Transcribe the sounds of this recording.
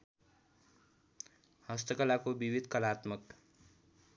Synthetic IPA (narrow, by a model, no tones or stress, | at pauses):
hʌst̪ʌkʌlakobibid̪ʱkʌlat̪mʌk